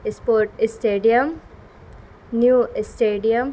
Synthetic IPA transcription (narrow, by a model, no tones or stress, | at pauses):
ɪspoːɾʈɪsʈeːɖijɐm | njuːsʈeːɖijəm